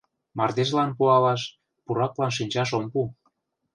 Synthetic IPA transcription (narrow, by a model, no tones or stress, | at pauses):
mɑrd̪eʒlɑnpuɑβɑʃ | puɾɑklɑnʃ̬inʲt͡ɕɑʃ̬ompu